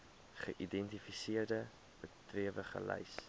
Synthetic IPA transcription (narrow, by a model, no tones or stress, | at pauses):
χəʔidɛntifisiərdə | bətriəvəχə̰lɐ̰js